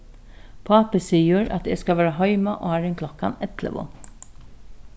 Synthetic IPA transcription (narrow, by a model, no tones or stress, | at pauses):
pʰɑːpəsiːʊɾɑ̰t̪jɛskɑʋæːɾɑɦœʏmɑʔo̰ːhæːɾɛŋkʰlɔkːɑnɛt̪ʰlə̰ʋo̰